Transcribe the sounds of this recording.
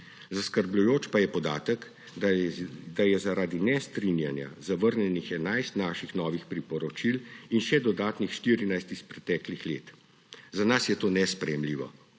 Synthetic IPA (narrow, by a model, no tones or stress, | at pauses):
zaskəɾblujoːt͡ʃpajɛpɔd̪a̰ːt̪ək | d̪ajɛzaɾaːd̪inɛst̪ɾinja̰nja̰zaʋəɾnjɛnixɛnajst̪naːʃixnɔːʋixpɾipɔɾɔt͡ʃilinʃɛd̪ɔd̪aːt̪nixʃt̪iːɾinajst̪ispɾɛt̪ɛːklixlḛːt̪ | zanasjɛt̪oːnɛspɾɛjɛmliːʋɔ̰